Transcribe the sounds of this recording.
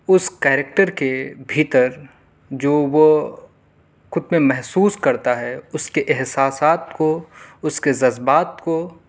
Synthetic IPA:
ʊskɛːɾek̚ʈəɾkebʱiːt̪əɾ | d͡ʒoːʋo | kʊt̪mẽmɛɦsuːskɐɾt̪aɦɛʊskeʔɪɦsaːsaːt̪koʊskezɐzbaːt̪ko

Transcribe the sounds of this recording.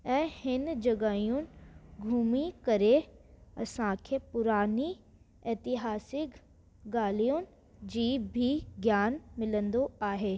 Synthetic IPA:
ɛ̃ːhɪnd͡ʒɐɡaːijũnɪ̆ɡʱuːmikɐɾeɐsãkʰepʊɾaːni | ɛːt̪ɪɦaːsɪk | ɡaːlijũnɪ̆ | d͡ʑiːbʱiɡjaːnmɪlə̃nd̪oaːɦeː

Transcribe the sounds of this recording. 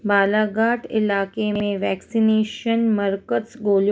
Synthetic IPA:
baːlaːɡaːʈɪ̰laːkemeẽʋɛːksineːʃənməɾkəsɡoːljo

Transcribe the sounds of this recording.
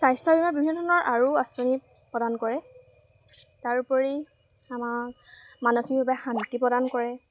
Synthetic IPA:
sajstʰɔbimabibʱinːɔdʱɔnɔɹʔaɹuasɔnipɹɔdankɔɹɛ | taɹpɔɹi | amakmanɔxibɔbaxantipɹɔdankɔɹɛ

